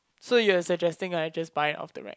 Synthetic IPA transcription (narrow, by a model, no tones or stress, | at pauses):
sojuəsəd͡ʒɛstɪ̃ŋad͡ʒʌsbaɪjɔ̰fd̥ə̰ɹɛ̰k̚